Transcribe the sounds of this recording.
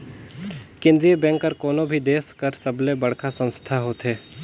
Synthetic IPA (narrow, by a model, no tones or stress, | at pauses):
kẽːnd̪ɾijəbɛ̃ːŋkːəɾkoːnõbʱid̪eːskəɾsɐblẽbɐɽkʰasə̃nst̪ʰaɦoːt̪ɦeː